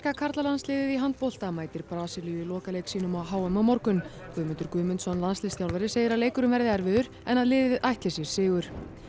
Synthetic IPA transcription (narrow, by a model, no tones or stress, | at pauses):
kakʰaɾt̪lalanslɪːðɪðiɦant̪̚powl̥t̪amaːjt̪ɪɾpɾaːsɪlijʏilɔːkalejksiːnʏmawɦaːwʏmawmɔɾkʏn | kʏːmʏnt̪ʏɾkʏːmʏnsɔnlanslɪːsθjawlvɛɾɪseːjɪɾaðleːjkʏɾʏmvɛɾðɪɛɾvɪðʏɾ̥ | ɛnaðlɪːðɪðʔajht̪lɪsjɛɾ̥sɪːɣʏɾ̥